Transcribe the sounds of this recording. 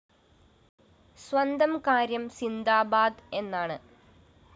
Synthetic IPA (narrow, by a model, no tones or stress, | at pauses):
swɐnd̪ɐmkaːɾjɐmsind̪aːbaːd̪e̞nːaːɳɨ